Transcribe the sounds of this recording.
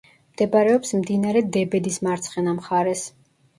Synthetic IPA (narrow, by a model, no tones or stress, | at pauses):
md̪̥ɛbaɾɛɔpsmd̪inaɾɛd̪ɛbɛd̪ismaɾt̪sʰχɛnamχaɾɛs